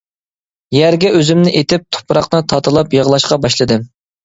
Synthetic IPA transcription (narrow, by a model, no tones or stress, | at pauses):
jæɾɡʲɛʔøzymnɪʔet̪ɪp̚t̪ʰo̥pʰɾɑqnɨt̪ʰɑt̪ʰɨlˠɑpjəʁlˠɑʃqɑbɑʃlˠɨd̪ɨ